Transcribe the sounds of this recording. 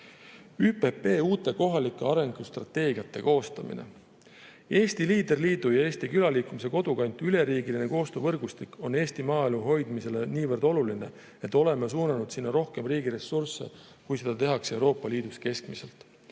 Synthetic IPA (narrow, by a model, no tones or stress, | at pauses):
yːpe̞pe̞ːuːt̪ːˑe̞ko̞ɦɑlikːˑeɑɾe̞ŋɡ̥ust̪rɑ̰t̪ːe̞ːɡiɑt̪ːe̞ko̞ːst̪ɑmḭnḛ | e̞ːst̪iliːd̪erliːd̪̥ujɑe̞ːst̪ikylɑliːkːˑumise̞ko̞d̪̥ukɑnʲt̪ˑyle̞ɾiːɡiline̞ko̞ːst̪oːvɤrɡ̥ust̪ikːo̞ne̞ːst̪imɑːeluɦo̞jd̪̥mise̞le̞niːvɤrd̪o̞luline̞ | e̞t̪ːˑo̞le̞mes̬uːnɑnud̪̥sinːɑɾo̞hke̞mriːɡ̥iɾe̞surse̞̰ | kujse̞d̪̥ɑt̪e̞ɦɑkse̞uwɾo̞ːpːˑɑliːd̪̥uske̞skmise̞̰lt̪ˑ